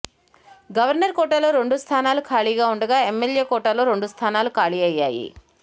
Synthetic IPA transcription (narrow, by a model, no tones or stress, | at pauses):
ɡɐʋɐɾnɐɾkɔːʈɐlo̞ːɾe̞ɳɖust̪ʰaːnaːlukʰaːɭiɡaːuɳɖɐɡaːemːelje̞ːkɔːʈɐlo̞ːɾe̞ɳɖust̪ʰaːnaːlukaːɭiɐjːa̰ːjḭ